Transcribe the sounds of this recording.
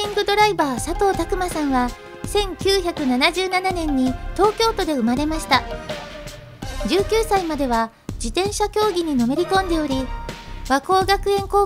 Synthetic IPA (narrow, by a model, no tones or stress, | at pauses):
ĩŋɡɯ̟d̪o̞ɾaibaːsat̪o̞ːt̪akɯ̟masãɰ̃βa | sẽ̞ŋkʲɨːçakɯ̟nanaʑɨːnananẽ̞ɲ̟ːit̪o̞ːkʲo̞ːt̪o̞d̪e̞ɯ̟maɾe̞maɕi̥t̪a | d͡ʑɨːkʲɨːsaimad̪e̞β̞a | d͡ʑit̪ẽ̞ɰ̃ɕakʲo̞ːɡʲiɲ̟ino̞me̞ɾʲikõ̞nd̪e̞o̞ɾʲiβako̞ːɡakɯ̟ẽ̞ŋko̞ː